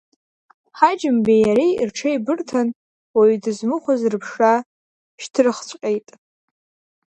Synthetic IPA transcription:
ħad͡ʒɪmbejaɾirʈ͡ʂʰaibɨrtʰan | waɥdɨzmɨχʷazrɨpʰʂa | ʃtʰɨrχt͡ɕʷʼqʲʼejtʼ

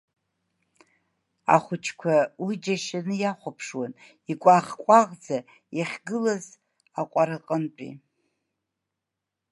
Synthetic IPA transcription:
a̰χʷʊt͡ʃʰkʷʰawid͡ʒaʃanɨjaχʷapʰʂwan | ikʷʼaχkʷʼaʁd͡za | jaχʲɡɨlaz | aqʷʼaɾaqʼənt͡pʼḭ

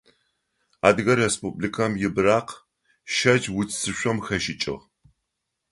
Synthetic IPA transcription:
a̰ːdɣɐrespublikʰɐmjɪbraːq | ʃɐd͡ʒwʊt͡ssɨɕʷɔmxɐʃɪt͡ʃʼɪ̰ʁ

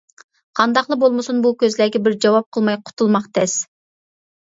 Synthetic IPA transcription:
qʰɑnd̪ɑqlˠəbolˠmɨsunbukʲøzlæɡʲɛbɪɾd͡ʒɑwɑp̚qʰəlˠmɑjqʰʊ̥t̪ʰulˠmɑqt̪ʰɛs

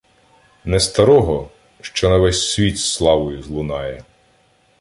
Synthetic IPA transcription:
nɛst̪ɐɾɔɦɔ | ʃt͡ʃɔnɐʋɛsʲsʲʋʲit̪slˠɑʋɔjʊzlˠʊnɑjɛ

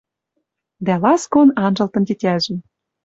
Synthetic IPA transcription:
d̪ælɑskonɑnʒɤ̆lt̪ɤ̆nt̪ʲetʲæʒɘ̆m

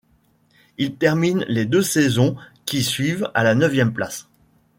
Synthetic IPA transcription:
ilt̪ɛʁminled̪øsɛzɔ̃kʲisɥiva̰lanəvjɛmpla̰s

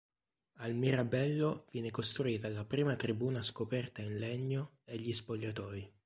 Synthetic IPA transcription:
almiɾabɛlːov̥jɛːnekost̪ɾuiːt̪alapɾiːmat̪ɾibuːnaskopɛrt̪ainleɲːo | eʎːispoʎːat̪ɔːi

